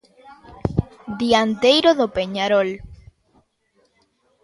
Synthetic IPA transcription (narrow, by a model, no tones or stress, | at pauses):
d̪iant̪ejɾoðopeɲaɾol